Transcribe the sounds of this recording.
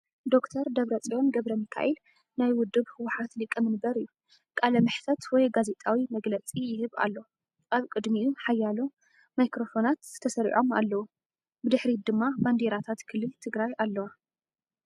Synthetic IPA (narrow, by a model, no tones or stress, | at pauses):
d̪o̞kt̪ʰɐɾd̪ɐβɾɐt͡sʼijo̞nɡɐβɾɐmikʰa̰ʔil | najwʊd̪ːɨβhɨwːʊħat̪lɨkʼːɨmɨnbɐɾɨjːu | kʼalɐmɨħt̪ʰɐt̪wɔjɡaze̞t̪ʼawimɐɡlɐt͡sʼijɪhɨβa̰lːo | ʔaβkʼɨd̪miuħajːalo | majkɾo̞fo̞nat̪z̥ɨt̪ʰɐsɐɾḭʕʔo̞ma̰lːɐwu | bɨd̪ɨħɾid̪ɨmːaband̪eɾat̪ʰat̪kʰɨlɨlt̪ʰɨɡɾajʔalːɐwa